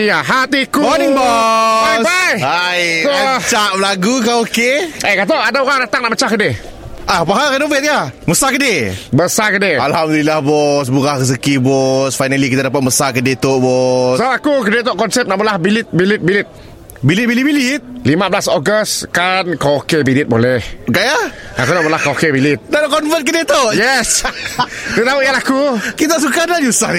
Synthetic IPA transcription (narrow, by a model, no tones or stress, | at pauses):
jaɦat̪ikuɔĩŋbɔbajbajajst͡ʃaʔməlaɡukaokeʔekat̪̬oʔadaoɣaŋdat̪aŋnaʔmət͡ʃahkəde | ʔapaɦaɾɛnovet̪̚kaməsakədebəsakədealhamd̪ulilahbɔs̬buɣahɣəs̬əkibɔsfajnəlikit̪adapat̪̚məsakədet̪oʔbɔssaakukədet̪oʔkɔnsɛp̚naʔbəlahbilɪt̪̚bilit̪̚bilit̪̚ | bilit̪̚bilibilit̪̚limãbəlasɔɡəskankakebilit̪̚bolɛhkajaakunaʔməlahkaokebilit̪̚dalkɔnfət̪̚kədet̪oʔjɛs | t̪ut̪auʔjalaakukit̪̬aʔs̬ukanad͡ʒusa̰n